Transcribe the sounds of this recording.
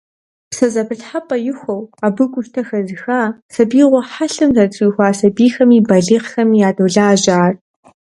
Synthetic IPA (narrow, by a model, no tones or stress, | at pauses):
psɐzɐbʰɨɬħapʼɐjɪxʷowaːbɨɡʷʊʃtʰɐxɐzɨxaːsɐbiːʁʷɐħaɬɨmzɐt͡sʼuːxʷaːsɐbiːxɐmiːbɐɮiqxɐmijaːdowɮaːʒaːr